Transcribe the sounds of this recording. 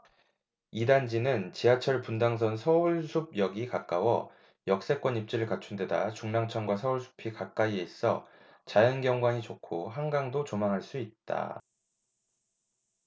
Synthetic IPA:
idand͡ʑinɯnt͡ɕiɦat͡ɕʰʌɭpundaŋs̬ʰʌnsʰʌuɭsʰub̚jʌɡikak͈awʌ | jʌk̚s͈e̞k͈wʌnip̚t͡ɕ͈iɾɯɭkat͡ɕʰunde̞da̰t͡ɕuŋnaŋt͡ɕʰʌnɡwasʰʌuɭsʰu̥pʰikak͈aies͈ʰʌ | t͡ɕajʌnɡjʌŋɡwaɲit͡ɕokʰoɦaŋɡaŋdot͡ɕomaŋɦaɭs͈uit̚t͈a̰

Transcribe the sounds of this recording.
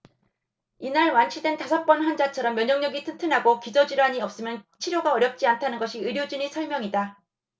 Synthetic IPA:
inaɭwant͡ɕʰidwe̞ntasʰʌp͈ʌnɸand͡ʑat͡ɕʰʌɾʌmːjʌɲʌŋɲʌɡitʰɯntʰɯnɦaɡokid͡ʑʌd͡ʑiɾaɲiʌp̚s͈ɯmjʌnt͡ɕʰiɾjoɡaʌɾjʌp̚t͡ɕ͈iantʰanɯnɡʌɕʰiɯɾjod͡ʑuɲisʰʌɭmjʌŋida

